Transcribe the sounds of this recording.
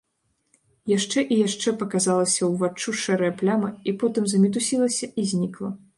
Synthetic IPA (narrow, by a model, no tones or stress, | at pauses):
jaʂt͡ʂɛʔijaʂt͡ʂɛpɐkazalˠɐsʲɐwvat͡ʂːuʂɛɾɐjɐplʲamɐipɔt̪ɨmzɐmʲit̪usʲilˠɐsʲɐizʲnʲiklˠɐ